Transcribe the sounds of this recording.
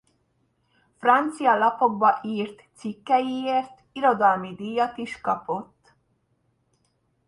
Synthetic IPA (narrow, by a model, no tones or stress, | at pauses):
frɒnt̪sijɒlɒpo̞ɡ̚bɒʔiːrt̪sikːɛjieːrt̪ | iɾo̞d̪ɒlmid̪iːjːɒt̪iʃkɒpo̞t̪ː